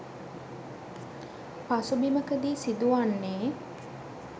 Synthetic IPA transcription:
pasubiməkəd̪iːsid̪uʋanːeː

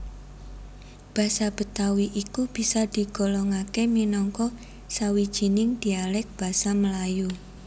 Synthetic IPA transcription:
b̥a̤sab̥ə̤t̪awiʔikub̥i̤sad̪̥i̤ɡ̥ɔ̤lɔŋakeminɔŋkɔ | sawid̥ʒ̥i̤nɪŋd̪̥i̤alɪk̚b̥a̤saməlaju

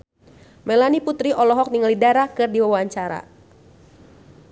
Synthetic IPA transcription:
mɛlaniput̪ɾiʔɔlɔɦɔk̚niŋəlidaɾahkɨrdiwawaɲt͡ʃaɾa̰

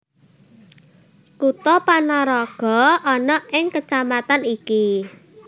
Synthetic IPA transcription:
kut̪ɔpanɔɾɔɡ̥ɔ̤ɔnɔʔɪŋkət͡ʃamat̪aniki

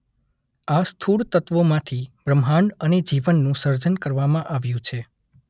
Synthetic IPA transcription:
ast̪ʰuɽt̪ət̪ʋomãt̪ʰibɾəmɦaɳɖəned͡ʒiʋənːũsəɾd͡ʒənkəɾʋamãʔaʋjũt͡ʃʰe

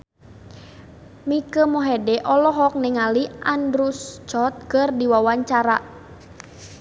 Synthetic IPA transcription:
mikəmɔɦɛdɛʔɔlɔɦɔk̚nɪŋaliʔandɾust͡ʃɔt̪̚kərdiwawaɲt͡ʃaɾa

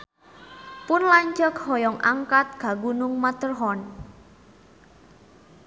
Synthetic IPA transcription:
pʊnlaɲd͡ʒəkhɔjɔŋʔaŋkat̪̚ɡ̥a̤ɡunʊŋmat̪ərɦɔn

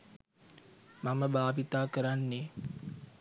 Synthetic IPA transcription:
maməbaːbit̪aːkəɾanːe

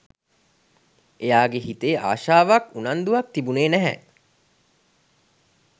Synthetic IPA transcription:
ʔejaːɡeɦit̪eːʔa̰ːʃaːʋakunand̪uʋɐk̚t̪ibuneːnæɦɛ̰

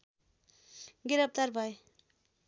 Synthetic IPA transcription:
ɡiɾʌp̚t̪aɾbʱʌj

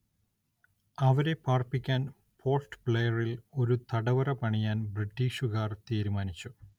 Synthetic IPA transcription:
ɐʋɐɾe̞paːrpikʲːaːn | pʰo̞ːrsʈɨ̥pɭejɐrilo̞ɾut̪ɐɽɐʋɐɾɐpɐɳijaːnbriʈːiːʂukaːrt̪iːɾumaːnit͡ɕːu

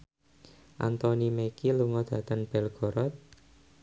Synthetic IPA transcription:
ʔa̰nt̪ɔnimekiluŋɔd̪̥ä̤t̪ənb̥ɛ̤lɡ̥ɔ̤ɾɔt̪̚

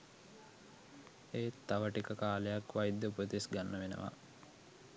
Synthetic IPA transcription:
eːt̪ːaʋəʈikəkaːlejakʋajd̪ːəupət̪isɡanːəʋenə̰ʋa̰

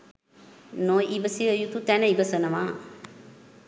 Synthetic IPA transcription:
noʔibəsiʋəjut̪ut̪ænəibəsənəmaː

